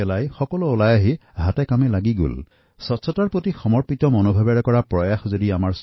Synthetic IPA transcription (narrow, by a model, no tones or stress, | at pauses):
ɛlajxɔkɔluːlajaɦiɦatɛkamɛlaɡiɡo̰l | sɔtsɔtaɹpotixɔmɔɹpitɔmonobʱabaɹɛkɔɹapɹɔjaxzodiamaɹs